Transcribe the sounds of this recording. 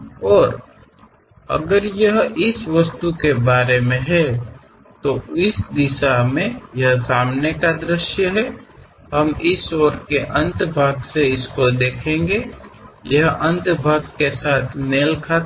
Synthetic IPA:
ɔːɾ | ə̰ɡəɾjəɦɪsʋəst̪ukebaːɾemẽɦɛ | t̪oɪsd̪ɪʃamẽjɐɦsaːmnekad̪ɾɪʃjəɦɛ | ɦɐmɪsɔːɾkeʔə̃nt̪bʱaːɡseɪskod̪eːkʰẽːŋɡejəɦə̃nt̪bʱaːɡkesaːt̪ʰneːlkʰa

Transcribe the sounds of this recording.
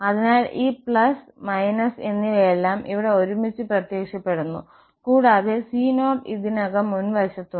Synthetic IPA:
ɐðinaːlʔiːpɭɐs | mɐjnɐse̞nːilejelːaːmʔiʋiɽe̞o̞ɾumit͡ɕːɨprɐt̪je̞ːkʂɐpːe̞ɽunːṵ | kuːɽaːðesiːno̞ːʈiðinɐɣɐmːunʋɐɕɐt̪ːu

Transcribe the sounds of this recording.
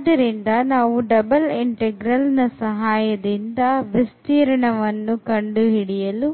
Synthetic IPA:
d̪ɐɾind̪ɐnaːʋuɖɐbɐliɳʈeɡɾɐlnɐsɐɦaːjɐd̪ind̪ɐʋist̪iːɾɐɳɐʋɐnːukɐɳɖuɦiɽijɐlu

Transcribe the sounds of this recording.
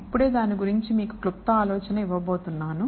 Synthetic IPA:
ipːuɽe̞ːd̪aːniɡuɾiɲt͡ʃimiːkuklupt̪ːɐaːlɔːt͡ʃɐnɐiʋːɐbo̞ːt̪unːaːnu

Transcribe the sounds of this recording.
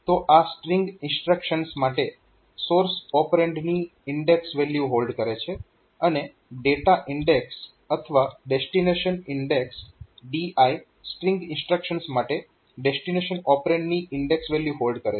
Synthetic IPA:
t̪oʔasʈɾɪ̃ŋɡɪ̃nsʈɾəkʃənsmaʈe | soɾsɔpɾẽɳɖniɪɳɖeksʋeljuɦolɖkəɾet͡ʃʰe | əne | ɖeʈaʔɪɳɖeks | ət̪ʰəʋaɖesʈineʃənɪɳɖeksɖiai | sʈɾɪ̃ŋɡɪ̃nsʈɾəkʃənsmaʈe | ɖesʈineʃənɔpɾẽɳɖniɪɳɖeksʋeljuɦolɖkəɾe

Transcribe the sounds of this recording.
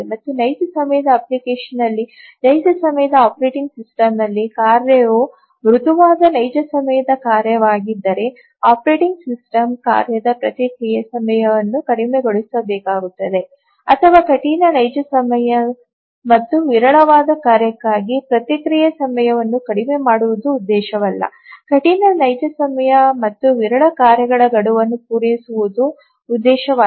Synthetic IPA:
mɐt̪ːunɐjsusɐmɐjɐd̪ɐɐplikeːʂɐnːɐlːi | nɐjsusɐmɐjɐd̪ɐaːpɐɾeːʈiŋɡsisʈɐmnɐlːikaːɾjɐo | ʋɾut̪uʋaːd̪ɐnɐjd͡ʒɐsɐmɐjɐd̪ɐkaːɾjɐʋaːɡid̪ːɐɾe̞ | aːpɐɾeːʈiŋɡsisʈɐmka̰ːɾjɐd̪ɐpɾɐt̪ikɾijɐsɐmɐjɐʋɐnːukɐɽimeɡo̞ɭisɐbɛːkaːɡut̪ːɐd̪e̞ | ɐt̪ʰɐʋaːkɐʈinɐnɐjd͡ʒɐsɐmɐjɐ | mɐt̪ːuʋiɾɐɭɐʋaːd̪ɐkaːɾjɐkːaːɡipɾɐt̪ikɾijɐsɐmɐjɐʋɐnːukɐɽime̞maːɽuʋud̪uːd̪ːɛːʃɐʋɐlːɐ̰ | kɐʈinɐnɐjd͡ʒɐsɐmɐjɐmɐt̪ːuʋiɾɐɭɐkaːɾjɐɡɐɭɐɡɐɽuʋɐnːupuːɾesuʋud̪uː | d̪ːɛːʃɐʋaː

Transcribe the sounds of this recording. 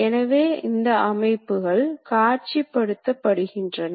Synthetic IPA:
ɛnɐʋeːʔɪnd̪ɐʔɐmɐɪpːɯɣɐɭkaːɾt͡ʃipːɐɽɯt̪ːɐpːɐɽɯɣɪndrɐn

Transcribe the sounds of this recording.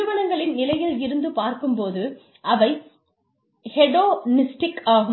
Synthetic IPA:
ɯʋɐnɐŋɡɐɭɪnnɪlɐjɪlɪɾɯnd̪ɯpaːɾkɯmpoːðɯ | ʔɐʋɐɪ | hɛɽoːnɪsʈɪkaːɣɯ

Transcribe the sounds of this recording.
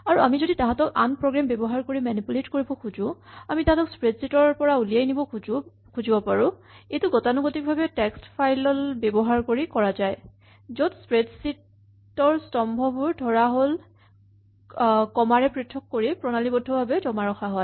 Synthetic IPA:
aɹuamizoditãɦãtɔkanpɹɔɡɹambɛbɔɦaɹkoɹimanipuletkoɹibɔkʰuzʊ̃amitaɦatɔkspɹedsitɔɹpɔɹaulijajnibɔ | kʰuzibɔpaɹʊ̃ejtuɡɔtanuɡotik̚bʱabɛtɛkstpʰajlɔlbɛbɔɦaɹkoɹikɔɹazaj | zotspɹedsit | ɔɹstɔmbʱɔbʊɹdʱɔɹaɦol | kɔmaɹɛpɹitʰːɔkːoɹipɹɔnalibɔdʱɔbʱabɛdɔmaɹɔxaɦɔ

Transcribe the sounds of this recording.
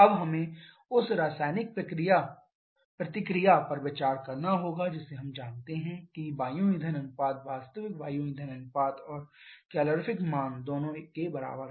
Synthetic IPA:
ɐbɦɐmẽ | ʊsɾaːsaːɪnɪk̚pɾɐkɾɪja | pɾɐt̪ɪkɾɪjapɐɾʋɪt͡ʃaːɾkɐɾnaɦoːɡad͡ʒɪseɦɐ̃md͡ʒaːnt̪eɦɛ̃kibaːjũid̪ʱɐnə̃ŋɡ̚paːt̪ʋaːst̪əʋɪk̚baːjũid̪ʱɐnə̃ŋɡ̚paːt̪ɔːɾkɛːləɾfʰɪkmaːnd̪oːnõkebɐɾa̰ːbəɾ

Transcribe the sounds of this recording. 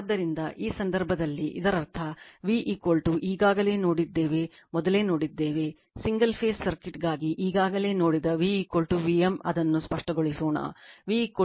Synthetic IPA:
d̪ːɐɾind̪ɐʔiːsɐnd̪ɐɾbʱɐd̪ɐlːiʔḭd̪ɐɾɐɾt̪ʰɐʋiːʔikoːlʈuʔiːɡaːɡɐle̞ːno̞ːɽid̪ːe̞ːʋe̞ | mɔd̪ɐle̞ːno̞ːɽid̪ːe̞ːʋe̞ | siŋɡɐlpʰe̞ːsːɐɾkiʈɡaːɡiʔiːɡaːɡɐle̞ːno̞ːɽid̪ɐʋiikoːlʈuʋiemɐ̰d̪ɐnːuspɐʂʈɐɡoɭisoːɳa̰ːʋiko

